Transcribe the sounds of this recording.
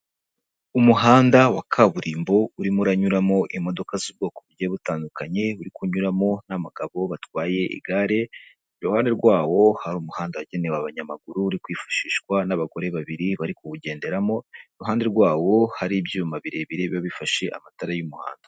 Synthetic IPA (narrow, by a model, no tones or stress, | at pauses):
umuɦaːndawakʰaβuɾiːmbo̞uɾimuɾaɲuɾamo̞ʔimo̞do̞kazib̚ɡo̞ːkoβuɾɟeβutaːndukaɲe̞uɾikuɲuɾamo̞naβaɡaβo̞βatwaːje̞ʔḭɡaɾe̞ | iɾuhaːnde̞ɾɡwaːwo̞haɾuːmuhaːndawaɟe̞ne̞waβaɲamaɡuɾuːɾikwiːfu̥ʃiːʃkwanaβaɡo̞ɾe̞βaβiɾiβaɾikuβuɟe̞ːnde̞ɾamo̞iɾuhɦaːndeɾɡwaːwo̞haɾibjuumaβiɾe̞βiɾeβjoβifaʃe̞ʔa̰mataɾajumuha̰ːndḁ